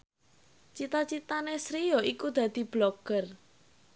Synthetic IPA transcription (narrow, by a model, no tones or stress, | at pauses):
t͡ʃit̪at͡ʃit̪anesɾijɔikud̪̥ä̤d̪̥i̤b̥lɔɡ̥ər